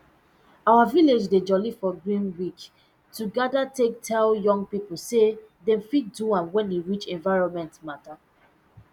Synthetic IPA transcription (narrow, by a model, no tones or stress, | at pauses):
awaviled͡ʒded͡ʒɔlifɔɡɹĩnwit͡ʃ | tuɡadatektʰɛljɔ̃ŋɡ̚pipl̩sedɛ̃mfit̚duãmwɛ̃ndeɹit͡ʃɛ̃nvaɪɹɔ̃nmɛ̃ntmata